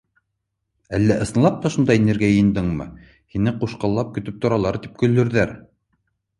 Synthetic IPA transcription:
ælːæʔɤ̆sɤ̆nlˠɑp̚t̪ɑʃund̪ɑjnɘ̆ɾɡæjɘ̆jɘ̆nd̪ɤɴmɤ̰ | hinɘquʃqɑlˠːɑp̚kɵ̆t̪ɵp̚t̪ŏɾɑlˠɑɾt̪i̥p̚kɵ̆lːɵ̆ɾðæɾ

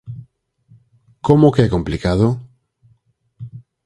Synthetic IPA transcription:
komokekõmplikaðo

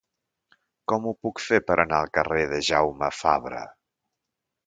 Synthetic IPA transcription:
kɔmupukfepəɾʔənaəlˠkəreðəʒawməfaβɾə̰

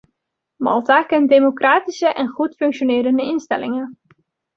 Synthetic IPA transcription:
mɑ̰lˠtakɛntdemokraːtisəʔɛnχutfɵŋkʃonɪːɾəndəɪnstɛ̰lɪŋən

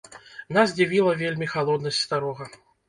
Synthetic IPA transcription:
nazʲd͡zʲavʲilˠɐvʲelʲmʲixalˠɔd̪nɐsʲtʲst̪aɾɔɣɐ

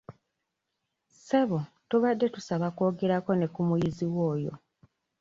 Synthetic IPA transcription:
se̞βo | tuβadːe̞tusaβako̞ːɡe̞ɾako̞ne̞kumujiziwoːjo̞̰

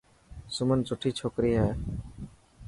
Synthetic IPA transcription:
sʊmənt͡ʃʊʈʰiːt͡ʃʰoːkɾiːɦɛː

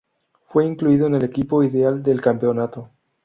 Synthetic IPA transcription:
fwe̞iŋkluiðoene̞lekipo̞iðeald̪e̞lkampeonat̪o

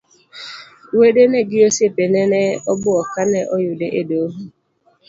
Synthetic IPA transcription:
wedenɛɡɪosepenɛnɛɔbʊɔkanɛʔɔjʊdeʔedoɦu

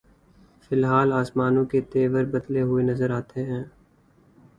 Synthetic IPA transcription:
fɪlɦaːlaːsmaːnõket̪eːʋəɾbɐd̪leɦʊenɐzəɾaːt̪eɦɛ̃ː

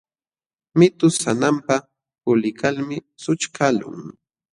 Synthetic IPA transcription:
mɪt̪ʊsanampa | pʊlɪkalmɪ | sʊt͡ʃkʰalʊ̰ŋ

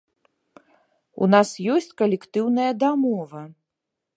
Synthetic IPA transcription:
ṵnasjɔsʲt͡sʲkɐlʲɛkt̪ɨwn̪ɐjɐd̪amɔvɐ

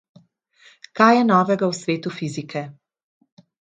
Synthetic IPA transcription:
kajɛnɔːvɛɡawsʋeːt̪ufizikʰɛ

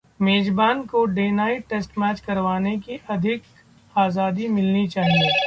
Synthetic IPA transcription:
meːd͡ʒbaːnkoɖeːnaːiʈesʈmɛːt͡ʃkɐɾʋaːnekiʔɐd̪ʱɪk | aːzaːd̪imɪlnit͡ʃaːɦieː

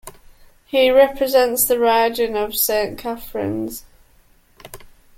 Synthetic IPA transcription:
hiɹɛpʰɹɪzɛ̃ntsðəɹaɪd͡ʒə̃nəv̥sẽɪ̃nkʰafɹɪ̰̃nz̥

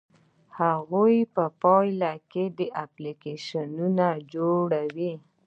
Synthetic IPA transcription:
haɣojpəpɑjlaked̪əʔaplikeʃanunad͡ʒoɽawi

